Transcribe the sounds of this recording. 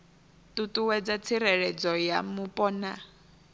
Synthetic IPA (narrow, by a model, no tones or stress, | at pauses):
tutuwɛd͡zat͡sʰiɾɛɺɛd͡zɔjamupʼɔna